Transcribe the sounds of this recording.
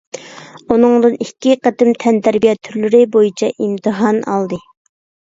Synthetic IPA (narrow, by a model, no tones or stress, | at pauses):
unɨŋd̪ɨnikʲːiqət̪ɪmt̪ʰɛnt̪ʰæɾbijɛt̪ʰːyɾlɪɾɪbojit͡ʃʰɛʔimt̪ʰɨɦɑnɑ̰lˠd̪ɨ